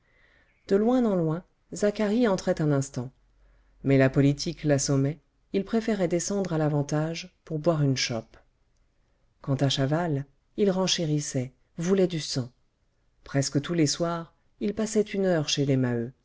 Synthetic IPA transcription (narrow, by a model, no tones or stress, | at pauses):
d̪̥əlwɛ̃nɑ̃lwɛ̃ | zakaʁiɑ̃t̪χɛt̪ɛ̃nɛ̃st̪ɑ̃ | mɛlapɔlit̪ʰiklasɔmɛ | ilpχefeʁɛd̪esɑ̃d̪ʁalavɑ̃t̪aʒpuʁbwaʁynʃɔp | kɑ̃t̪aʃaval | ilʁɑ̃ʃeʁisɛ | vulɛd̪ysɑ̃ | pχɛskət̪ʰuleswaʁ | ilpasɛt̪ynœʁʃelemaø